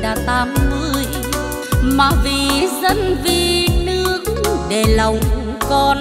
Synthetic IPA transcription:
ɗaː˨˧˩t̪aː˨˦mːɨ˧˨əəj | maː˨˩vi˨˩zə˧nvi˨˧˩nɨ˦˧˥əkɗe˨˩lə˨˩wŋ͡m | kɔ˧n

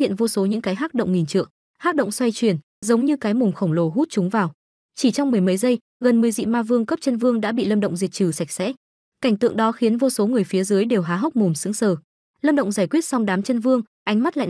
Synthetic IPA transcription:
ḭ˧˨ə˨nvo˧so˨˦ɲɨ̰˧˥ŋkaː˨˦jɦaː˦˥t̚ɗə̰˧˨wŋ͡mŋi˨˩nt͡ɕɨ̰˧˨əŋ | haː˦˥t̚ɗə̰˧˨wŋ͡mswa˧jt͡ɕwi˧˩ən | zə˨˦wŋ͡mɲɨ˧kaː˨˦jmʊ˨˩ŋ͡mxə˧˩ŋ͡mlo˨˧˩ɦu˦˥t̚t͡ɕʊ˨˦ŋ͡mvaː˨˩w | t͡ɕi˧˩t͡ɕɔ˧wŋ͡mmɨ˨˩əjmə˨˦jzə˧j | ɣə˨˩nmɨ˨˩əjzḭ˧˨maː˧vɨ˧əŋkə˦˥p̚t͡ɕə˧nvɨ˧əŋɗa̰ː˧˥ɓḭ˧˨lə˧mɗə̰˧˨ŋ͡mzi˨˩ət̚t͡ɕɨ˧˩sa˨˩jk̟̚sɛ̰˧˥ | ka˧˩jŋ̟t̪ɨ̰˧˨əŋɗɔ˨˦xi˨˦ənvo˧so˨˦ŋɨ˨˩əjfi˨˦əzɨː˨˦jɗe˨˩wɦaː˨˦ɦə˦˥k͡p̚mu˨˩msɨ̰˧˥əŋsəː˧˩ | ləː˧mɗə̰˧˨wŋ͡mzaː˧˩jkwi˦˥ət̚sɔ˧wŋ͡mɗaː˨˦mt͡ɕə˧nvɨ˧əŋ | ʔa˨˦jŋ̟ma˦˥t̚la̰˧˨

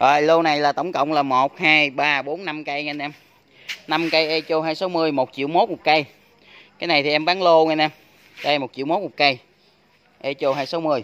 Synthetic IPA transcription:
ʔɔː˨˩jlo˧na˨˩jlaː˨˩t̪ə˧˩wŋ͡mkə̰˧˨wŋ͡mlaː˨˩mo˨˩t̚haː˧jɓaː˧ɓo˨˦nna˧mka˧jŋa˧nɛ˧m | na˧mkə˧jʔe˧t͡ɕo˧ɦaː˧jsa˨˦wmɨ˧əjmo˨˩t̚t͡ɕḭ˧˨əwmo˦˥t̚mu˨˩t̚kə˧j | kaː˨˦jna˨˩jt̪ʰi˨˩ʔɛ˧mɓaː˨˦ŋlo˧ŋə˧nɛ˧m | ka˧jmo˨˩t̚t͡ɕḭ˧˨wmo˨˦˥t̚mo˨˩t̚kə˧j | ʔe˧t͡ɕo˧hɦaː˧jsa˨˦wmɨ˧əj

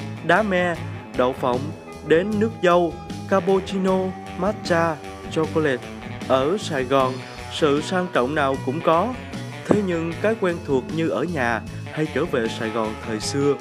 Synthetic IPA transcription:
ɗaː˨˦mɛ˧ɗə̰˧˨wfə̰˧˩˨wŋ͡m | ɗe˨˦nːɨ˦˥ək̚zə˧wkaː˧po˧t͡ɕi˧no˧ | maː˦˥t̚t͡ɕaː˧ | t͡ɕɔ˧ko˧le˨˥t̚ʔəː˧˩saː˨˩jɣɔ˨˩n | sɨ̰˧˨saː˧ŋt͡ɕɔ̰˧˨wŋ͡mnaː˨˩wkʊ̰˧˥ŋ͡mkɔ˨˦ | t̪ʰe˨˦ɲɨ˧ŋkaː˨˦jkwɛ˧nt̪ʰu˨˩ək̚ɲɨ˧ʔəː˧˩ɲaː˨˩ | ha˧jt͡ɕəː˧˩vḛ˧˨saː˧˩jɣɔ˨˩nt̪ʰəː˨˩jsɨ˧ə

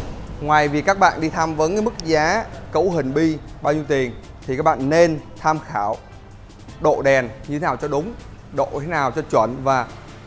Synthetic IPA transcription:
ŋwaː˨˩jvi˨˩kaː˦˥k̚ɓa̰ː˧˨nɗi˧t̪ʰaː˧mvə˨˦n˨˦mɨ˦˥k̚zaː˨˦kə̰˧˥wɦï˨˩ŋ̟ɓi˧ɓaː˧wɲi˨˦əwt̪i˨˩ənt̪ʰi˨˩kaː˦˥k̚ɓa̰ː˧˨nːe˧nt̪ʰaː˧mxaː˧˩w | ɗo̰˧˨ɗɛ˨˩nɲɨ˧t̪ʰe˨˦naː˨˩wt͡ɕɔ˧ɗʊ˨˦ŋ͡m | ɗo̰˧˨˧t̪ʰe˨˦naː˨˩wt͡ɕɔ˧t͡ɕwə˧˩nvaː˨˩

